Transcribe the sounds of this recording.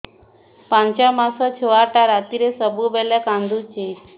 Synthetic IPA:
pãɲt͡ɕjamasət͡ɕʰeʋaʈaɾat̪iɾesəbubɛlɛkãnd̪ʱut͡ɕi

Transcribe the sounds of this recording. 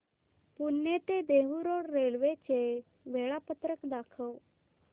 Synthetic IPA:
pʊnːet̪ed̪eʋuɾoːɽɾelʋet͡ɕe | ʋeɭapət̪ɾəkd̪aːkʰəw

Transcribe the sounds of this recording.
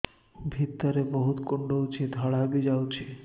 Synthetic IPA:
bʱit̪ːaɾeboɦut̪koɳɖowt͡ɕʰid̪ʱɔɽabid͡ʑawt͡ɕʰi

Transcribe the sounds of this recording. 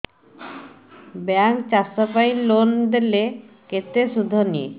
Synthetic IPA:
bɛŋkt͡ɕasapajnlond̪ele | ket̪eʃud̪ʱːonḭ

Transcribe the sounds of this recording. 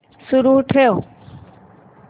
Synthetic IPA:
sʊɾuːɦʈʰejoː

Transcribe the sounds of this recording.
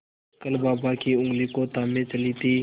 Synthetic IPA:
kəlbaːbaːkiːʊ̃ŋɡliːkoːt̪aːmẽːt͡ʃəliːt̪iː

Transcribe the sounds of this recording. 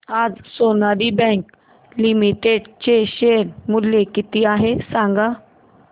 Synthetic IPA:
ad͡zsonaɾibɛ̃k | limiʈeɖt͡ɕeɕeɾmuljekit̪iaɦesãŋɡa

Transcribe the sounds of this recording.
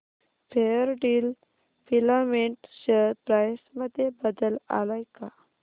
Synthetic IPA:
fʰeəɾɖiːl | filameɳʈɕəɾpɾajsməd̪ʱːjebəd̪əla̰lajka

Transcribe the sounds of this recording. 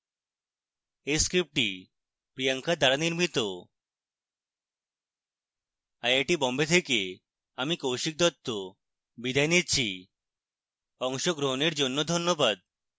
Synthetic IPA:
eskɾip̚ʈi | pɾijaŋkad̪aɾaniɾmit̪o | ajaʈibɔmbet̪ʰeke | amikowʃik̚d̪ɔt̪ːo | bid̪ʱajnitt͡ɕʰi | ɔŋʃoɡɾoɦoneɾd͡ʑonːod̪ʱonːobad̪̚

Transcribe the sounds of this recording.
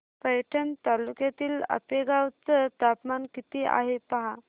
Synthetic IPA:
pəjʈʰənt̪alukjat̪iːlə̰peɡawt͡sət̪apmankit̪iːʔa̰ɦepaɦa

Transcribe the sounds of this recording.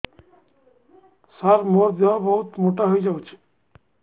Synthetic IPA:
saɾmoɾd̪eabɔɦut̪moʈaɦoid͡ʒaut͡ʃʰi̥

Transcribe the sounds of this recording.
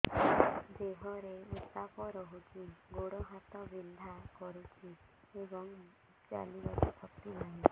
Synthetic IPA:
deɦɔɾeut̪apɔɾɔɦut͡ʃʰiɡoɽɔɦat̪ɔbind̪ʱakɔɾut͡ʃʰi | ebɔŋ | t͡ʃa̰libɔt̪ɔpʰɔkt̪inaɦĩ

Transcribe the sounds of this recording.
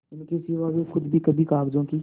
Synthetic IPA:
ɪnkesɪʋaʋexʊd̪bʱikɐbʱikaːkd͡ʒõːkiː

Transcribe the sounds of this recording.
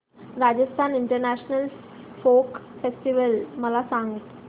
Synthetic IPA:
ɾad͡ʑəst̪ʰaniɳʈəɾnæɕnəl | fokfesʈiʋəlməlasãŋɡt̪

